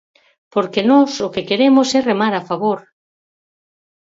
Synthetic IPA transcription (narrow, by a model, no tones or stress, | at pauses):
poɾkenɔsʊkekeɾemosɛremaɾafaβoɾ